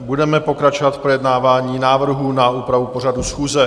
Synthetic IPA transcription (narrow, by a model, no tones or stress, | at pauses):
budɛmɛpo̞kɾat͡ʃo̞vat̪fpɾo̞jɛdnaːvaːɲiːnaːvr̩ɦunauːpɾavupo̞r̝adusxuːzɛ